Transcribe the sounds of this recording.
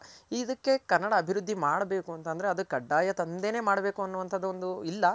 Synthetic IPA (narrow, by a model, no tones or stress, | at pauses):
id̪ɐkːe̞kɐnːɐɽɐːbʱiɾud̪ʱːimaːɽɐbe̞ːkuɐnt̪ɐnd̪ɐɾeɐd̪ukɐɖːaːjɐt̪ɐnd̪e̞ːne̞ːmaːɽɐbe̞ːkuɐnːuʋɐnt̪ʰɐd̪ːɐond̪uilːɐ